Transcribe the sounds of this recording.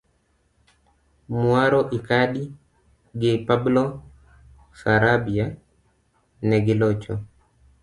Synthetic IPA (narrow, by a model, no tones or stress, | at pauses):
mwaɾɔʔikaɗi | ɡɪpablo | saɾabia | nɛɡɪlot͡ʃo